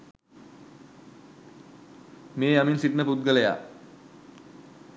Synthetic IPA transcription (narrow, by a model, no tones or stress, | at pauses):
meːjaminsiʈnəput̪̚ɡəleja̰